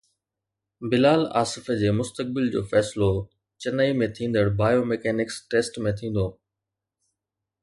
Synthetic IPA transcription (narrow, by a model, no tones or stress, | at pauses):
bɪlaːla̰ːsɪfəd͡ʑeːmʊst̪ək̚bɪld͡ʑo̰ːfɛːsɪlo | t͡ɕɐnəimẽt̪ʰĩːn̆d̪əɽbʱaːjomɛkɛːnɪksʈeːsʈmẽt̪ʰĩːn̆d̪oː